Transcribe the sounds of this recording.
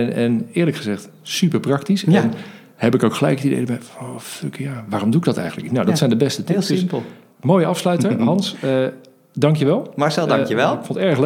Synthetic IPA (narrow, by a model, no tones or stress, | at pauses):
nɛnɪːɹləkχəzɛχt | sypəɹprɑk̚tisn | hɛpɪkowkχəlɛ̰jkətidḛjdəbɛjowføkjaːʋaːromduɪɡdɔtɛ̰jənləktnawdɔtsɛjndəbɛstətɪsdsplˠ | moːjəɑfslœɥtəɦɑnsə | dɑŋkjəʋɛlˠmɑɹsɛlˠdɑkjəʋɛlˠɪkfõntɛɹxl